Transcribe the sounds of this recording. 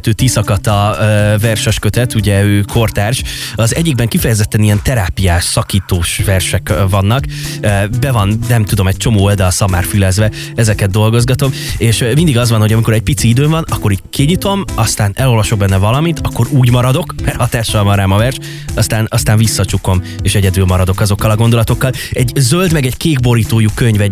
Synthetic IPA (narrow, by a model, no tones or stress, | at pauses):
t̪øːt̪isɒkɒt̪ɒvɛrʃɛʃkøt̪ɛt̪uɟɛøːkʰo̞rt̪aːrʃɒzɛɟːiɡ̚bɛŋkifɛjɛzɛt̪ːɛnijɛnt̪ɛɾaːpijaːʃsɒkiːt̪oːʃʋɛrʃɛkvɒnːɒkøbɛvɒnnɛmt̪ud̪o̞mɛc̚t͡ʃo̞moːold̪ɛːsɒma̰ːrfylɛzvɛ | ɛzɛkɛd̪ːo̞lɡo̞zɡɒt̪o̞meːʃmind̪iɡɒzvɒnho̞ɟɒmiko̞ɾɛc̚pit̪siid̪øːɱvɒnɒkːo̞ɾiɟkiɲit̪o̞mɒst̪aːnɛlo̞lvɒʃo̞ɡ̚bɛnːɛvɒlɒmit̪ɒkːo̞ɾuːɟmɒɾɒd̪o̞kmɛrhɒt̪aːʃɒlvɒnɾaːmɒvɛrʃ | ɒst̪aːnɒst̪aːɱvisːɒt͡ʃuko̞meːʃɛɟɛd̪ylmɒɾɒd̪o̞kɒzo̞kːɒlɒɡo̞nd̪o̞lɒt̪o̞kːɒlɛɟzøld̪mɛɡɛɟkeːɡbo̞ɾiːt̪oːjukøɲvɛ